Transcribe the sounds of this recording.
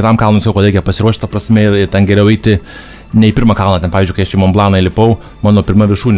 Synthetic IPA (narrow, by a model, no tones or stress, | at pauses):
kɪt̪ɑmkɐlˠnomsɐkɐʊkɐt̪ɾɛɪkʲɛpɐsʲɪɾuɔʃʲt̪ɐpɾɐsʲmʲɛɪrɪrt̪ʲɛnɡʲɛɾʲɛʊɛɪt̪ʲɪ | nʲɛɪpʲɪɾmɑkɐlˠnɑːt̪ʲɛnpɑːʋʲzd͡ʒʊkɐɪɐʃt͡ʃʲɪmomblˠɑːnɐɪlʲɪpɐʊ | mɑːnoːpʲɪɾmɐʋʲɪʃuːnʲ